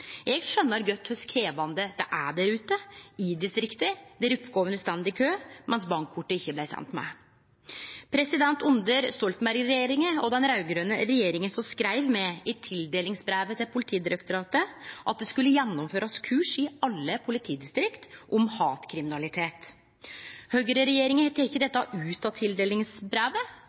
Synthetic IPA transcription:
ʔɛɡʂœnːəɾɡœt̪ːhœskʰɾeːʋɑnd̪əd̪ɛʔæɖæɾʉːt̪əɪd̪ɪst̪ɾɪkt̪əd̪ɛæɾʉpːɡoːʋənst̪ɛnd̪ɪkʰøːmʔɛnsbɑŋkʰːʊʈːəɪçːəblæɪsɛ̰nt̪mæ̰ | pʰɾɛsɪd̪ɛnt̪ʊnd̪əɾst̪ɔlt̪n̩bæɾɡɾɛjeːɾɪŋəɔd̪ɛnɾɑʉɡɾøːnəɾɛjeːɾɪŋənsɔmskɾæɪʋmɛʔɪt̪ʰɪld̪eːlɪŋsbɾæːʋət̪ʰɪlpʰʊlɪt̪ʰiːd̪ɪɾɛkt̪ʊɾɑːt̪əʔɑt̪̚d̪ɛskʉlːəjɛnːɔmføːɾɑskʰʉːʂɪɑlːəpʰʊlɪt̪ʰiːd̪ɪst̪ɾɪkt̪ʔɔmhɑːt̪kʰɾɪmɪnɑlɪt̪ʰeːt̪ | høɡəɾəɾɛjeːɾɪŋəhɛt̪ːəɾɪçːəd̪ɛt̪ːəɑʔʉːt̪ɑt̪ʰɪld̪eːlɪŋsbɾæːʋə

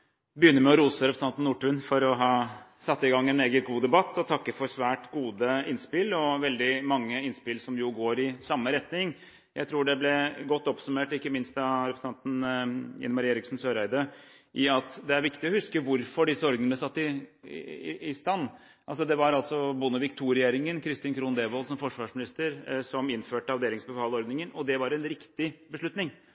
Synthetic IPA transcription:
bəjʏnːəɾmɛɔɾuːsəɾɛpɾsɑnt̪nːuːʈʉːnfɔɾɔɦɑːsɑt̪ːɪɡɑŋːɛneːɡət̪ɡuːd̪ɛbɑt̪ːɔt̪ʰɑkːəfɔɾsʋæːʈɡuːd̪əɪnspɪlɔʋɛld̪ɪmɑŋːəɪnspɪlsɔmjʊɡoːɾɪsɑmːəɾɛt̪nɪŋ | jæɪɾuːɖɛblɛɡɔt̪ːɔpsʉmeːʈɪkːəmɪnst̪ɑɾɛpɾəsɑnt̪n̩ɪ̰nmɑɾeːɾɪksn̩søːɾæɪd̪əʔɪɑt̪d̪ɛæɾʋɪkt̪ɪɔhʉskəʋʊɾfɔɖɪsːəɔɾɡnəəəsɑt̪ːɪ | ɪst̪ɑnː | ʔɑls̬ɔd̪ɛʋɑɾɑlsɔbʊnəʋɪkt̪ʰuːɾɛjeːɾɪŋənkʰɾɪst̪ɪːnkʰɾuːnd̪eːʋolsɔmfɔʂʋɑːʂmɪnɪst̪əɾsɔmɪnføːʈəɑʋd̪eːlɪŋsbəfɑːləɔɾd̪nɪŋənɔd̪ɛʋɑɾɛnɾɪkt̪ɪbəʂɭʉt̪nɪŋ

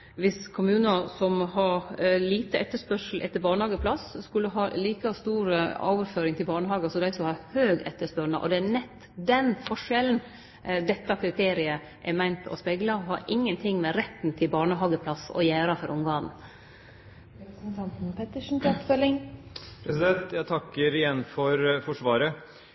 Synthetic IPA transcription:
ʋɪskʰʊmʉːnɑsɔmɦɑɾliːt̪əʔɛt̪ːəʂpœʂl̩ʔɛ̰t̪ːəbɑːɳəhɑːɡəpʰlɑsskʉlːəɦɑːliːkɑst̪uːɾəo̰ːʋəɾføːɾɪŋt̪ʰɪlbɑːɳəɦɑːɡsɔd̪æɪsɔmhɑɾhøːɡɛ̰t̪ːəʂpœɳɑ̰ʔɔ̰d̪ɛænɛt̪ː | d̪ɛnfɔʂɛln̩ | d̪ɛt̪ːɑkʰɾɪt̪ʰeːɾɪə | ʔɛmæɪnt̪ɔ̰spɛɡlɑɔhɑ̰ɾʔɪŋːənt̪ʰɪŋːmɛɾɛt̪n̩t̪ʰɪlbɑːɳəɦɑːɡəpʰlɑsɔ̰jæːɾɑfɔɾʔʊmɡɑːnn̩ | snt̪ʰɑnt̪n̩pʰɛt̪əʂn̩t̪ɔpfœlɪŋpʰɾɛsɪd̪ɛnt̪jæt̪ʰɑkːəɾɪjɛnːfɔɾfɔʂʋɑːɾə

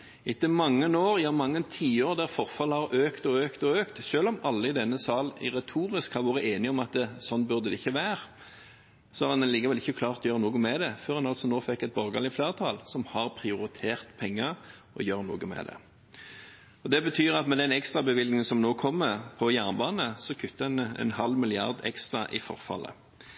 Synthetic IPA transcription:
ɪt̪ːəmɑŋːənoːɾjɑːmɑŋːənt̪ʰiːoːɾd̪æʁfɔʁfɑləhɑʁøːkt̪ɔøːkt̪ɔøːkt̪ʃøːlɔmɑlːəɪd̪ɛnːəsɑːlɪ̰ʁɛt̪ʰuːɾɪskhɑʋoːʁəeːnɪɔmɑt̪sɔnːbʉʁd̪əd̪ɛɪçːəʋæːʁ | sɔhɑɾɑnɛnliːkəʋɛlɪçːəkʰlɑːʁt̪ɔjøːʁənuːɡəmɛd̪ɛføːʁɑnɑlsɔnoːfɛkːɛt̪̚bɔʁɡɑlɪflæːʁt̪ʰɑlsɔmhɑʁpʰʁɪʊʁɪt̪ʰeːʁt̪pʰɛŋːə | ɔjøːʁnuːɡəmɛ̰d̪ɛ̰ | ɔd̪ɛbət̪ʰyːʁɑt̪mɛd̪ɛnɛkst̪ʁɑbəʋɪlnɪŋənsɔmnoːkʰɔmːəʁpʰɔjæʁnəbɑːnəsɔkʰʉt̪ːəɛnɛ̰nhɑlːmɪlɪɑ̰ʁd̪ɛ̰kst̪ʁɑʔɪ̰fɔ̰ʁfɑ̰lʔə̰

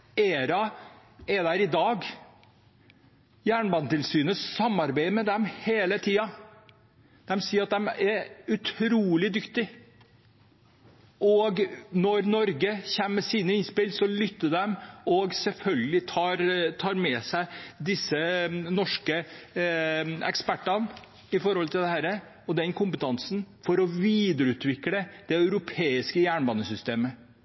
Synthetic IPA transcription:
eːɾɑ | ɛd̪æɾɪd̪ɑːɡ | jæːɳbɑnt̪ɪlsyːnəssɑmːɑɾbæɪmɛd̪ɛmheːlət̪ʰiːɑ | d̪̥ɛmsiːəɾɑt̪̚d̪ɛmɛɾʉt̪ʰɾuːlɪd̪ʏkt̪ɪ | ʔɔɡnɔɾnɔɾɡəçæmməsiːnəɪnspɪlsɔlʏt̪ːəɖ̪ɛmɔɡsɛlfœlɡəlɪt̪ʰɑːɾt̪ʰɑːɾmɛsæɪd̪ɪsːənɔʂkə | ɛ̰kspæʈːɑn | ɪfɔɾhɔlt̪ʰɪld̪ɛhæːɾə | ɔd̪ɛnkʰʊmpət̪ʰɑnsn̩fɔɾɔʋiːd̪əɾʉːt̪ʰʋɪkləd̪̥ɛœʉɾʊpʰeːɪskəjæːɳbɑːnəsʏst̪eːmə

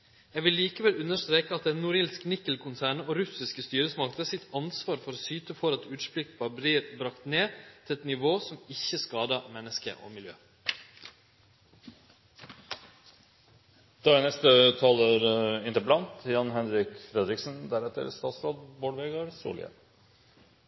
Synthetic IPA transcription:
jɛʋɪlːiːkəʋɛlʉnəʂt̪ɾeːkəɑt̪̚d̪ɛnːʊːɾɪːlsknɪkːəl̩kʰʊnsæːɳəoːɾʉsɪskəst̪yːɾəsmɑkt̪əsɪt̪ʰɑnsʋɑːɾfɔɾoːsyːt̪əfɔɾɑt̪ʉːt̪spɾʏk̚t̪ʋɑːbɾiːɾbɾɑkt̪neːt̪ʰɪlɛt̪nɪʋoːsɔmɪçːəskɑːd̪ɑmɛnːəskə̰ʔo̰ːmɪljø̰ː | d̪̥ɑːænɛst̪ət̪ʰɑːləɾɪnt̪əɾpəlɑnt̪ʰjɑnhɛnɾɪkfɾɛd̪ɾɪksn̩d̪æɾɛt̪ːə̰ɾst̪ɑːt̪sɾɑːd̪boːlʋeːɡɑɾsṵːlɪ̰ə̰

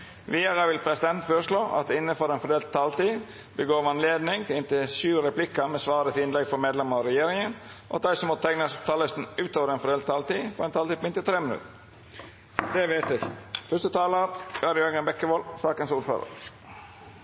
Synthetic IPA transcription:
ʋiːɑɾəʋɪlpʰɾɛsɪd̪ɛnt̪føːɾʂɭoːʔɑ̰t̪̚d̪ɛɪnːəfɔɾɛːnfɔɾd̪eːlt̪ʰːɑːlt̪iː | bəɡoːʋɑnleːd̪nɪŋt̪ʰɪlɪnt̪ɪʃʉːɾɛplɪkːəmɛsʋɑːɾət̪ʰɪɪnlɛɡfɔɾmeːd̪lɛmɑɾɑɾɛjeːɾɪŋənɔʔɑ̰t̪̚d̪æɪsɔmːɔt̪t̪ʰɛŋnəst̪ʰɑːləst̪n̩ʉːt̪oːʋəɾɛːnfɔɾɖ̪eːlt̪ʰːɑːlt̪iːfɔɾɛnt̪ʰɑːlt̪iːpmɪnt̪ɪlt̪ʰɾeːmɪnʉ̰t̪ə | d̪̥ɛʋet̪ʋɪfœʂt̪ət̪ʰɑːləɾɑɾjœɡənbɛkːəʋolsɑːkənsuːɾfø̰ːɾə̰ɾ

